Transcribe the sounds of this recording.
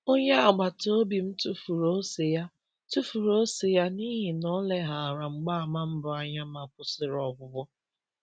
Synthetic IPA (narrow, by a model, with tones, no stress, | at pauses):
o˦ɲe˦a˨ɡ͡ba˨to˦bi˨m̩˦tu˦fu˨ɾo˦se˨ja˦ | tu˦fu˨ɾo˦se˨ja˦ni˦ɦi˨nɔ˦le˦ɦa˨ɾa˨ŋ͡m̩˨ɡ͡ba˦a˨ma˦m̩˦bʊ˨a˦ɲa˦ma˨kʷʊ˨sɪ˨ɾɔ˨bʊ˨bʊ˦